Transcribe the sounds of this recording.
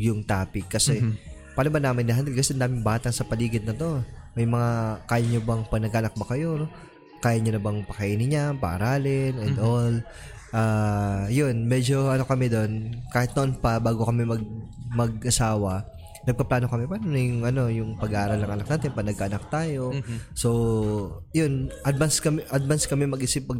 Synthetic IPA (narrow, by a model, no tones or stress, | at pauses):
jʊŋt̪aːpɪkːɐsɛpaːnobɐnaːmɪnɪɦɐnd̪ɛlkɐsɛʔɐnd̪aːmɪŋbaːt̪ɐŋsɐpɐliːɡɪd̪̚nɐt̪o̞mɐjmɐŋakaːjɐɲobɐŋpɐɡnɐɡanɐk̚bɐkɐjo̞ | kaːjɐɲʊnɐbɐŋpɐkɐʔiːnɪɲapɐ̰ʔɐɾaːlɪnɛnd̪ʔol | ʔaːjonmɛd͡ʒo̞ʔɐno̞kɐmɛd̪o̞nkaːhɪt̪̚nɐʔonpɐbaːɡo̞kɐmɛmɐɡ̚mɐɡ̚ʔɐsaːwɐ | nɐɡ̚pɐplaːno̞kɐmɛpanonɐjʊŋʔɐno̞jʊŋpɐɡɐʔaːɾɐlnɐŋʔɐnɐk̚naːt̪ɪpɐnɐɡaʔnɐk̚t̪aːjo̞so̞ | jʊnʔɐd̪̚vanskɐmʔɐd̪̚vanskɐmɛmɐɡʔisɪp̚ːɐɡ